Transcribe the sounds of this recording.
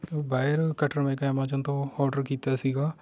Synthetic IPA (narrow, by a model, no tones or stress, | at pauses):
obaːɪəɾkəʈʰəɾmẽːkaɛmãːt͡ʃənt̪õɔːɾɖəɾkiːt̪aːsiːɡaː